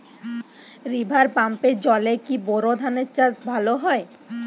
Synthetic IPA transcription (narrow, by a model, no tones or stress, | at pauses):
ɾibʱaɾpamped͡ʑɔlekiboɾod̪ʱaneɾt͡ɕasbʱaloɦɔe